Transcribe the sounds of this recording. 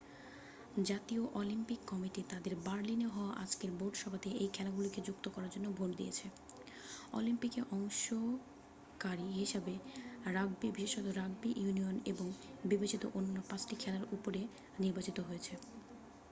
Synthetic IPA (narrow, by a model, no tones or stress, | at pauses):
d͡ʑat̪ioʔɔlimpikːɔmiʈit̪ad̪eɾbaɾlineɦɔoaʔad͡ʑkeɾboɖʃɔbʱat̪eʔejkʰɛlaɡuloked͡ʑukt̪okɔɾaɾd͡ʑonːobʱoʈd̪ijet͡ɕʰe | ɔ̰limpikeʔɔŋʃo | kaɾiɦiʃabeɾaɡbibiʃeʃot̪oɾaɡ̚biʔjunioneboŋbibet͡ɕit̪oʔonːanɔpãt͡ɕʈikʰɛlaɾupoɾe | niɾbat͡ɕit̪oɦojet͡ɕʰe